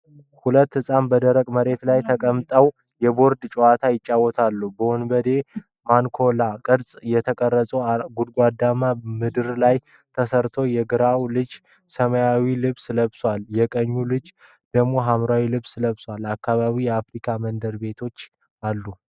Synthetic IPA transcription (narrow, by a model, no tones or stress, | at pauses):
hulət̪ːhɨsʼanbəd̪əɾəkʼməɾe̞t̪lajt̪ʰəkʼəmt̪ʼəw | jɛbo̞ɾd̪t͡ʃʼowat̪ʰajɪt͡ʃʼːawːɔt̪ʰalːubəɔnbəd̪e̞ | mankʰo̞lakʼɨɾsʼjɛt̪ʰəkʼərːəsʼuɡud̪ɡʷad̪ːamamɨd̪ɨɾlaj | t̪ʰəsəɾt̪ʰo̞jɛɡɨɾawlɨd͡ʒ | səməjawilɨβsɨləβswaljɛkʼəɲːulɨd͡ʒ | d̪̥əɡmo̞ɦamɾawilɨβsɨləβswalakːaβaβijɛafɾikʰamənd̪əɾbe̞t̪ʰo̞t͡ʃː | alːu